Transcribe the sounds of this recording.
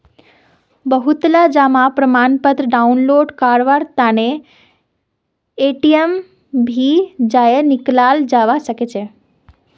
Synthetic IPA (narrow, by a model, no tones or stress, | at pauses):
bəɦut̪lad͡ʒamapɾəmanpət̪ɾəɖaunloːɖkaɽʋaɾt̪ane | eʈiem | bʱid͡ʒajenɪklald͡ʒaʋasəket͡ʃʰe